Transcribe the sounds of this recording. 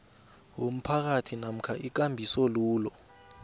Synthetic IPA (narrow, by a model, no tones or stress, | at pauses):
wom̩pʰak̬atʰinam̩kʰaʔik̬ambʱisɔluːlɔ